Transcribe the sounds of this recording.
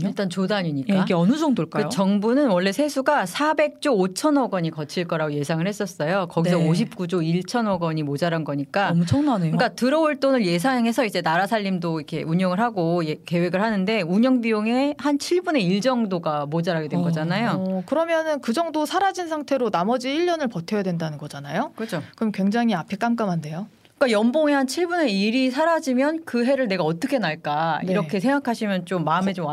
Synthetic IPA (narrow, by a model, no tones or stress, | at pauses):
iɭt͈ʌnt͡ɕodaɲiɲikaiɡeʌnɯd͡ʑʌŋdoɭk͈akjot͡ɕʌŋbunɯnwʌɭːe̞sʰe̞sʰuɡasʰabe̞k̚t͡ɕ͈oːt͡ɕʰʌnʌɡʌɲikʌt͡ɕʰiɭk͈ʌɾaɡoje̞sʰaŋɯɭhe̞s͈ʌs͈ʌjokʌɡis̬ʰʌoɕʰip̚k͈ud͡ʑoiɭt͡ɕʰʌnʌɡʌɲimod͡ʑaɾanɡʌɲik͈amt͡ɕʰʌŋnaneɯk͈atɯɾʌuɭt͈onɯɭje̞s̬ʰaŋɦe̞sʰʌid͡ʑe̞naɾasʰaʎːimdoikʰe̞̰uɲʌŋɯɭɦaɡojeke̞we̞ɡɯɭhanɯnde̞uɲʌŋbioŋe̞hant͡ɕʰiɭbune̞iɭd͡ʑʌŋdoɡamod͡ʑaɾaɡedwenɡʌd͡ʑanajokɯɾʌmjʌnɯnkɯd͡ʑʌŋdosʰaɾad͡ʑinsʰaŋtʰe̞ɾonamʌd͡ʑiiʎːʌnɯɭpʌtʰejadwendanɯnɡʌd͡ʑanajokɯd͡ʑʰokɯɾʌmkwe̞ŋd͡ʑaŋiapʰe̞k͈amk͈amɦande̞jo | k͈ajʌmboŋehant͡ɕʰiɭbune̞iɾisʰaɾad͡ʑimjʌnkɯɦe̞ɾɯɭne̞ɡaʌt͈ʌkʰe̞naɭk͈aiɾʌkʰe̞s̬ʰe̞ŋɡakʰaɕʰimjʌnt͡ɕomːaɯme̞t͡ɕom